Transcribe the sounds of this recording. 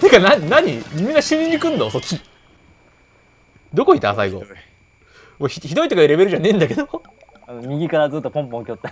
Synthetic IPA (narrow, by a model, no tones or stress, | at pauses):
t̪ekanaɲnaɲ̟iimʲĩŋaɕĩɲiɲikɯ̟̃nd̪osokʲːi | d̪o̞koit̪a̰sa̰iɡo̞̰ | oçiçid̪o̞it̪o̞kaiɾe̞be̞ɾɯ̟ʑanẽ̞ːnd̪ake̞d̪õ̞ | mʲiɡʲikaɾazɨːt̪ːopõmpõŋkʲot̪ːa